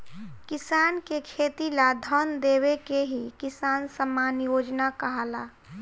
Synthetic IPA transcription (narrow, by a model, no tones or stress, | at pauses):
kɪsaːnkekʰeːt̪ilad̪ʱɔnd̪eːwekeɦikɪsaːnsəmaːnjoːd͡ʒnakəɦaːlaː